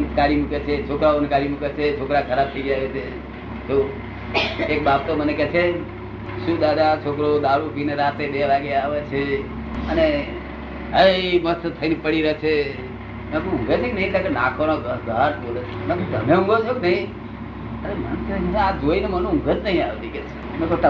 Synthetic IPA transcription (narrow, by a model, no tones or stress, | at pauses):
nkaɾimuket͡ʃʰet͡ʃʰokɾaonkaɾimuket͡ʃʰet͡ʃʰokɾakʰəɾab̚t̪ʰəiɡjaʋɛt͡ʃʰe | t͡ʃo | ek̚bab̚t̪omənekɛt͡ʃʰe | ʃũd̪ad̪at͡ʃʰokɾod̪aɾukineɾat̪ed̪elaɡeaʋet͡ʃʰe | əne | əimət̪ʰət̪ʰːəinepəɽiɾəɦet͡ʃʰe | nakũʊ̃ŋɡet͡ʃʰeknəɦĩt̪akenãkʰonoɡɡəʈbolet͡ʃʰenamt̪əmeũŋɡot͡ʃʰokenəɦĩ | əɾemənk̪ʰəmənead͡ʒoinemənũʊ̃ŋɡʱət̪nəɦĩaʋet̪ike | mekot̪